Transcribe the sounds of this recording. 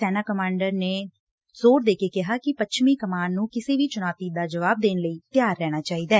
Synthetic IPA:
sɛːnaːkəmãːɳɖəɾneː | zoːɾd̪eːkeːkɪɦaːkɪpət͡ʃʰmiːkəmaːnːũːkɪseːʋiːt͡ʃʊnaːt̪iːd̪aːd͡ʒəʋaːb̚d̪eːnləiːt̪ɪjaːɾːɛːɽ̃aːt͡ʃaːiːd̪aː

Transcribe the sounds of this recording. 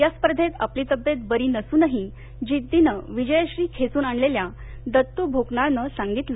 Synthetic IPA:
jaspəɾd̪ʱet̪a̰pliːt̪əbjet̪̚bəɾiːnəsuːnəɦi | d͡ʑid̪ːinəʋid͡ʑəjəɕɾiːkʰet͡suːnaɳlelja | d̪ət̪ːubʱoɡnaɭnəsaŋɡit̪lə

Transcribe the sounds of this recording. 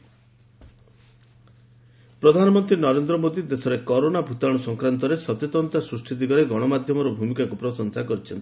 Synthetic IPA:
pɾɔd̪ʱanɔmɔnt̪ɾinɔɾend̪ɾɔmod̪id̪esʰɔɾekɔɾonabʱut̪aɽ̃ɔsɔŋkɾant̪̬ɔɾesɔt̪et̪ɔnt̪asɾusʈʰid̪iɡɔɾeɡɔɽ̃ɔmad̪ʱjɔmɔɾɔbʱumikakupɾɔsɔnsakɔɾit͡ʃʰɔnt̪i̥

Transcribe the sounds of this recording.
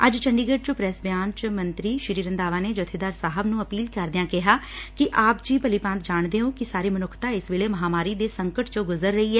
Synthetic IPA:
əd͡ʒt͡ʃʰəɳɖiːɡəʈ̚t͡ʃpɾɛːsbjaːnt͡ʃmənt̪ɾiːʃɪɾiːɾənd̪aːʋaːneːd͡ʒət̪ʰeːd̪aːɾsaːɦəbnũːəpiːlkəɾd̪ejãːkɪɦaːkɪʔaːpd͡ʒiːpəliːpãnt̪̚d͡ʒaːɳd̪eːõːkɪsaːɾiːmənʊkʰt̪ãːɪsʋeːɭeːməɦaːmaːɾiːd̪eːsəŋkəʈt͡ʃõːɡʊzəɾːəiːɛː

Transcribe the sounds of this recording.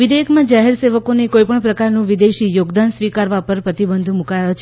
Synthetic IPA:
ʋid̪eəkʰmãd͡ʒaɦeɾseʋəkonekoipəɳpɾəkaɾnũʋid̪eʃijoɡd̪ansʋikaɾʋapəɾpɾət̪ibənd̪ʱmũkajot͡ʃʰ

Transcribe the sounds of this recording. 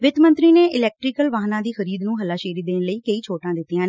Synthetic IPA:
ʋɪt̪mə̃nt̪ɾiːneːʔɪlɛːk̚ʈɾɪːkəlʋaːɦnãːd̪iːxəɾiːd̪nũːɦəlːaːʃeːɾiːd̪eːnləiːkəiːt͡ʃʰoːʈãːd̪ɪt̪ːijãː

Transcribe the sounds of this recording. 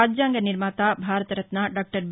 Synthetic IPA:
aːd͡ʒjaːŋɡɐniɾmaːt̪aːbʱaːɾɐt̪ɐɾɐt̪naɖaːk̚ʈɐɾb

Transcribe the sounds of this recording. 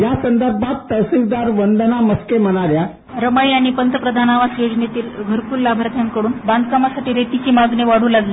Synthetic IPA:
jasənd̪əɾbʱat̪ːəwsikd̪aɾʋənd̪ənaməskem̤əɽ̃aɾja | ɾəmaiaɽ̃ipənt̪əpɾəd̪ʱanaʋasod͡ʑnet̪iːlɡʱəɾpuːlːabʱaɾt̪ʰjankəɽuːnband̪̚kamasaʈiːɾet̪it͡ɕiːmaɡneʋaɽ̤uːlaɡle

